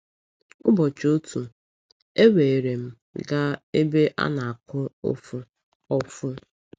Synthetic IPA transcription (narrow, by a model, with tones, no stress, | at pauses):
ʊ˦bɔ˨t͡ʃo˦tu˨ | e˦we˨e˨ɾe˨m̩˦ | ɡa˦e˦be˦ʔa̰˦na˨a˨kʊ˦o̰˦fʊ˦ | ɔ˦fʊ˦